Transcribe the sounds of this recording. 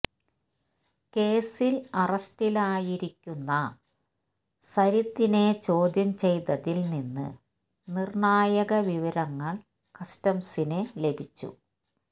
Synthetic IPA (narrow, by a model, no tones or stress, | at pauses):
ke̞ːsilɐrɐstilaːjiɾikʲːunːɐ | sɐɾit̪ːine̞t͡ɕo̞ːd̪jɐmt͡ɕe̞jt̪ɐðilninːɨ̰ | nirɳaːjɐɣɐʋiʋɐɾɐŋːɐɭ | kɐstɐmsinele̞bʱit͡ɕːṵ